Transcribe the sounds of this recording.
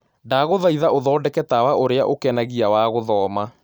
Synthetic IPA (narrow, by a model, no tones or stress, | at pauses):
ndaɣoðaiðaʔoðɔːdɛkɛtawaʔoɾeaʔokɛnaɣiawaːɣoðɔːma